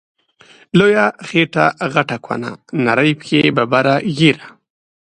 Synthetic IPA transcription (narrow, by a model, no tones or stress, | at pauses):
lojaxeʈaɣaʈakʰwa̰na̰naɾəjpə̥kʰebabaɾaɣiɾa